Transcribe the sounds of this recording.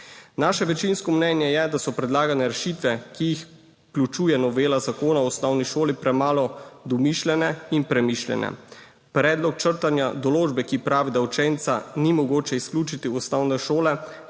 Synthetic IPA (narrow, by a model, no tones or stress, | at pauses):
naːʃɛʋɛt͡ʃinskɔmnɛnjɛjɛd̪asɔpɾɛd̪laːɡanɛɾɛʃit̪ʋɛkijix | klut͡ʃuːjɛnɔʋeːlazakoːnaɔsnɔwniʃoːlipɾɛmaːlɔd̪ɔmiʃlʲɛnɛinpɾɛmiʃljɛ̰nɛ̰ | pɾɛːd̪lɔk̚t͡ʃəɾt̪anjad̪ɔloːd͡ʒbɛkipɾaːʋid̪awt͡ʃɛnt̪sanimɔɡoːt͡ʃɛisklʲuːt͡ʃit̪iɔsnɔwnɛʃoːlɛ